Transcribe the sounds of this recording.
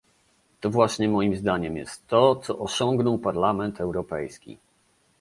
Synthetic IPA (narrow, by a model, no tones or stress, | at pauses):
t̪ɔvwaɕɲɛmɔjimzd̪aɲɛmjɛ̰st̪ːɔt̪sɔʔɔɕɔ̃ŋɡnɔwpaɾlamɛnt̪ɛwɾɔpɛ̰jskʲḭ